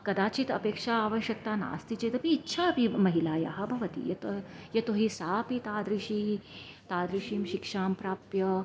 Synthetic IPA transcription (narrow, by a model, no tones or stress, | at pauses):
kɐd̪aːt͡ʃit̪ɐ̰peːkʂaaːʋɐʃjɐk̚t̪aːna̰ːst̪it͡ʃet̪ɐpiːtːʃʰapimɐɦilaːja̰ɦɐbʱɐʋɐt̪ḭjɐt̪ɐjɐt̪oɦisaːpit̪aːd̪ɾiʃit̪aːd̪ɾiʃimʃikʂaːmpɾaːpjɐ